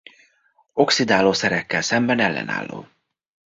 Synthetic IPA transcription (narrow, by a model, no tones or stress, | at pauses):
o̞ksid̪aːloːsɛɾɛkːɛlsɛmbɛnɛlːɛ̰na̰ːlːo̰ː